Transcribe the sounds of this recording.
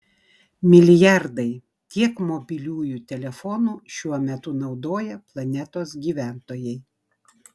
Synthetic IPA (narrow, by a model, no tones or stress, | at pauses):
mʲɪlʲɪjɑɾd̪ɐɪ | t̪ʲiɛkmobʲɪlʲuːjuːt̪ʲɛlʲɛfɔnuːʃʲuɔmʲɛt̪ʊnɒʊd̪oːjɛplˠɐnʲɛt̪oːsɡʲiːʋʲæˑnt̪oːjɛɪ